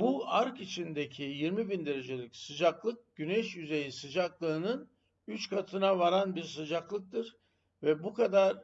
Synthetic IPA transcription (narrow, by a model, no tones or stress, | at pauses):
buaɾkit͡ʃʰind̪ecʰijiɾmibind̪e̞ɾe̞d͡ʒe̞lʲicsɯd͡ʒaklˠɯk̚ɟ̥ynɛʃjyze̞jisɯd͡ʒaklˠɯːnɯn | yt͡ʃkʰat̪ʰɯnavaɾanbiɾsɯd͡ʒaklˠɯk̚t̪ʰɯɾ | vɛbukʰad̪aɾ